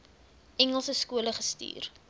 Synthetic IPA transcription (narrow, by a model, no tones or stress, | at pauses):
ɛŋəlˠsəskuələχəsty̰ːr